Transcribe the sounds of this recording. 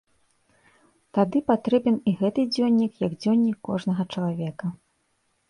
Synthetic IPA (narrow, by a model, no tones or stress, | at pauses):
t̪ad̪ɨpat̪ɾɛbʲɛniɣɛt̪ɨd͡zʲɔnʲːikjɐɡd͡zʲɔnʲːikːɔʐnɐɣɐt͡ʂɐlˠavʲɛkɐ